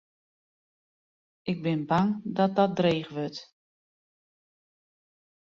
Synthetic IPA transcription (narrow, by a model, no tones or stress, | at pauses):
ʔɪɡ̚bɪnbaŋdɔt̚dɔt̚dreːχʋøt